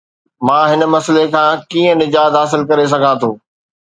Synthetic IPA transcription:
mãːɦɪnmɐsəlekʰãːkiːə̃nɪd͡ʑaːd̪ɦaːs̬ɪlkɐɾes̬ɐɡʱãt̪ʰoː

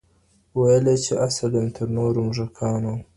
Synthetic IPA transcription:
wajəlet͡ʃeʔasalemt̪ʰəɾnoɾomʐakʰɑːno

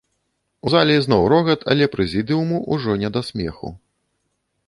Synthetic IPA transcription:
uzalʲiznɔwɾɔɣɐt̪ʰɐ̰lʲɛpɾɛzʲid̪ɨumuʔuʐɔnʲɛd̪asʲmʲɛ̰xṵ

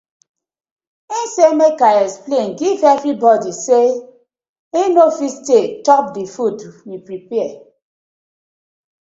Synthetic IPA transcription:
insemekaɛksplẽnɡivevɾibɔdise | enofistetɔp̚difudmipɹipɛɛ

